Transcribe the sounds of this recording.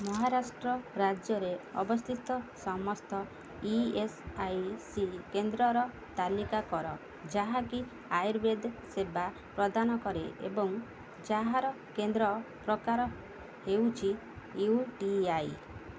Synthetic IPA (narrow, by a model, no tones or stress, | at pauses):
mɔɦaɾasʈɾɔɾad͡ʒjɔɾeɔ̰bɔst̪ʰit̪ɔsɔmɔst̪ɔ | iesajsikend̪ɾɔɾɔ | t̪alikakɔɾɔ | d͡ʒaɦaki | ajɾbed̪seba | pɾɔd̪anɔkɔɾeḛbɔŋ | d͡ʒaɦaɾɔ | kend̪ɾɔpɾɔkaɾɔ | hewt͡ʃʰi | uʈiaj